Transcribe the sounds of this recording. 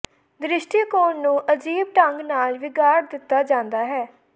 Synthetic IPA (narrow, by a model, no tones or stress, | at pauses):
d̪ɾɪʃʈiːkoːnnũːʔəd͡ʒiːb̚ʈəŋɡnaːlʋɪɡaːɾd̪ɪt̪ːaːd͡ʒãːnd̪aːɦɛː